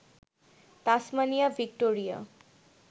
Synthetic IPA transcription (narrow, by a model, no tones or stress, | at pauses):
t̪asmanijavʱik̚ʈoɾija̰